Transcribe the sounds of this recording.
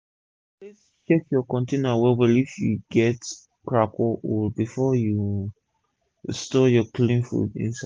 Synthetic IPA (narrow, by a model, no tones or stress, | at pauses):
plis | t͡ʃɛkjɔkɔ̃ntenɔawɛwɛlifjṵɡɛt | kɹakʰɔulbifɔju | stɔjɔklĩnfṵdḭ̃nsa